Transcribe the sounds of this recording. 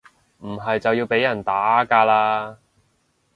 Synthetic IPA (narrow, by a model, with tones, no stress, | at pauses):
m̩˨˩ɦɐ˨jt͡sɐ˨wjiː˧wpe˨˥jɐ˨˩nt̪aː˨˥kaː˧laː˧